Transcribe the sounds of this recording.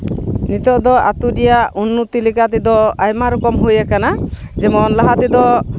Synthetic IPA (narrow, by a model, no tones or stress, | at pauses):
nit̪ɔʔd̪ɔa̰t̪udijaʔunːut̪ilikat̪id̪ɔajmaɾɔkɔmɦujakanad͡ʒɛmɔnlaɦat̪id̪ɔ